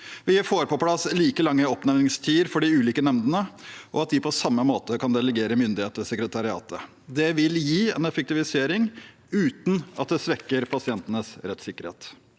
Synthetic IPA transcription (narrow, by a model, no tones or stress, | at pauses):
ʋɪæfoːɾəpɔpʰlɑsːliːkəlɑŋːəɔpnɛʋnɪŋst̪ʰiːəɾfɔɖɪʉːliːkənɛmd̪ənəʔɔ̰ɑt̪̚d̪ɪpʰɔsɑmːəmoːt̪əkɑnd̪ɛləɡeːɾəmʏnd̪ɪheːt̪əsɛkɾət̪ʰɑɾɪɑ̰ːt̪ə̰ | d̪ɛʋɪljiːɛ̰nɛfək̚t̪ɪʋɪseːɾɪŋ | ʉːt̪n̩ɑ̰t̪̚d̪ɛsʋɛkːəɾpʰɑsɪɛnt̪ənəsɾɛt̪sɪkːəɾhḛːt̪